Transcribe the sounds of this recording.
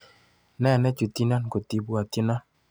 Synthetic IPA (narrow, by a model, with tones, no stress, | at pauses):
nɛ˦˨nɛ˦t͡ʃo˨t̪i˦na˦n˨ko˨t̪i˨bwa˨ti˦na˦